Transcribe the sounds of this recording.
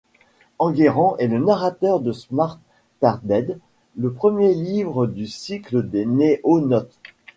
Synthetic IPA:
ɑ̃ɡeʁɑ̃ʔɛlənaʁat̪œʁd̪əsmaʁt̪ː | aʁd̪ɛd̪ | ləpχəmjelivʁəd̪ysikləd̪eneʔonɔt̪

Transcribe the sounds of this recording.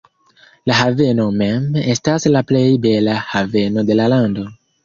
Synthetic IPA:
laɦave̞no̞me̞me̞staslaple̞jbe̞lahave̞no̞de̞lalando̞

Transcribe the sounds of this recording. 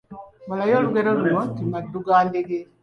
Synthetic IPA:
malajoːluɡeɾoluotimadːuɡaːndeɡe

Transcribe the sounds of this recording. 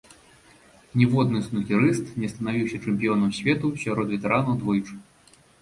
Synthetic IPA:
nʲɛvɔd̪nɨsnukʲiɾɨst̪nʲɛst̪ɐnavʲiwsʲɐt͡ʂɛmʲpʲijɔnɐmsʲvʲɛt̪usʲaɾɔt̪vʲɛt̪ɛɾanɐwd̪vɔjt͡ʂ

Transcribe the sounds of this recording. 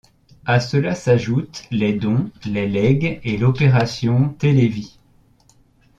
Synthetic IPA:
asəlasaʒut̪lɛd̪ɔ̃lɛlɛɡelɔpeʁasjɔ̃t̪elevi

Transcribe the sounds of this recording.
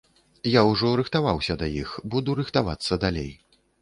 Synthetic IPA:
jawʐɔɾɨxt̪avawsʲɐd̪ɐjixbud̪uɾɨxt̪ava̰t̪sːɐd̪alʲḛj

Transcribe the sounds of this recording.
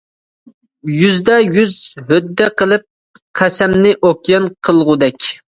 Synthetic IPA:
jyzd̪ɛjyzɦød̪ːɛqəlˠɨp̚ | qʰæsɛmnɪʔokʲjɑnqʰəlˠʁʊd̪ɛkʲ

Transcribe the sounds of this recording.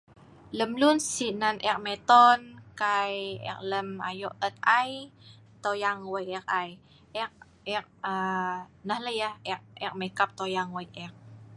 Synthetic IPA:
ləmlunsinanʔɛk̚mɛt̪ɔnkajɛ̰k̚ləma̰jɔʔət̪̚aj | t̪ojaŋwəjɛk̚aj | ʔɛk̚ | ɛk̚ənəhləjahʔɛk̚ɛk̚mekap̚t̪ojaŋwəjɛk̚

